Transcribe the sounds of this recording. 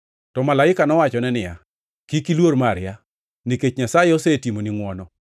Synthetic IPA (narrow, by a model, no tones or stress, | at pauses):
tɔmalaɪkanɔwat͡ʃɔnɛnɪja̰ | kikilwoɾmaɾja | niket͡ʃɲasajɛosetimoniŋwɔnɔ